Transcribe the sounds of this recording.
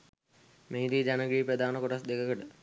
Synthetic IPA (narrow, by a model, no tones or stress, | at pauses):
meːid̪iːd͡ʒanəɡɾiːped̪aːnəkoʈasd̪ekəkəʈə